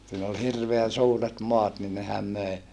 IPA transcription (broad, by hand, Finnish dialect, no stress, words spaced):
siːn ol hirʋeæn̞ suːret moɑt ni nehæm møe